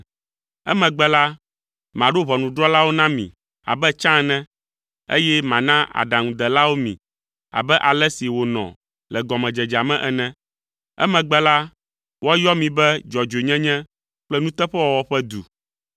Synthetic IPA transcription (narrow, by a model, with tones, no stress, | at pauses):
ɛ̰˦mɛ̃˨ɡ͡bɛ˦la˦ | mã˨ɖo˦βɔ˨nũ˨ɖɾɔ˦la˦wo˦nã˦mḭ̃˨ | a̰˨bɛ˦t͡ʃã˦nɛ̃˦ | ḛ˦jɛ˦mã˨nã˦a̰˨ɖa˨ŋũ˨d̪ɛ˨la˦wo˦mḭ̃˨ | a̰˨bɛ˦ʔa˨lɛ˦si˨wo˨nɔ̰̃˨ | lɛ˨ɡɔ˨mɛ̃˨d͡ʒɛ˨d͡ʒa˨mɛ̃˦ʔɛ˨nɛ̃˦ | ɛ̰˦mɛ̃˨ɡ͡bɛ˦la˦ | wɔ˦jɔ˦mĩ˨bɛ˦d͡ʒɔ˨d͡ʒo˨ɲɛ̃˦ɲɛ̃˦ | k͡plɛ˦nũ˦t̪ɛ˦ɸɛ˦wɔ˨wɔ˦ɸɛ˦d̪u˨